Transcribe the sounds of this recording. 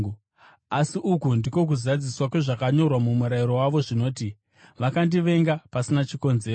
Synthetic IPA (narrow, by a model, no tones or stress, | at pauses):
asiʔukundiko̞k̬uzad͡ziswakwe̞ʐakaɲo̞rwamumuɾaiɾo̞waʋo̞ʐino̞ːti | ʋakandiʋe̞ŋɡapasinat͡ʃiko̞nze̞ːro